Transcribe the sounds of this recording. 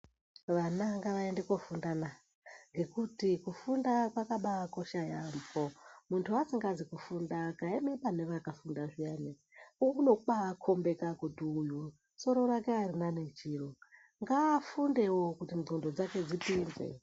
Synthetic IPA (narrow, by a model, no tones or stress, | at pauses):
ʋanaŋɡaʋaendekofundana | ŋɡe̞kutikufundakwakaɓako̞ʃajambomuntʰuasiŋɡad͡zikufundakaemeɓane̞ʋakafundaʐijane | uno̞ɓaːkʰo̞mbekakutiːju | so̞ɾo̞rake̞arinane̞t͡ʃiro | ŋɡaːfunde̞wokutinondo̞d͡zake̞d͡zipinzḛ